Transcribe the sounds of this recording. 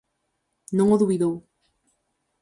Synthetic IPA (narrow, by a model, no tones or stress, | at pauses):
noŋoðuβiðow